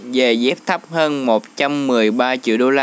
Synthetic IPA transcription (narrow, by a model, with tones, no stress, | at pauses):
ve˨˩zɛ˦˥p̚t̪ʰə˦˥p̚həː˧nmo˨˩t̚t͡ɕa˧mːɨ˨˩əjɓaː˧t͡ɕḭ˧˨ɗo˧laː˧